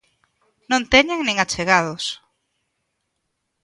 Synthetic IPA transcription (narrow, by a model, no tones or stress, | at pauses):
nõnt̪ɛɲaŋnẽŋat͡ʃeɣaðʊs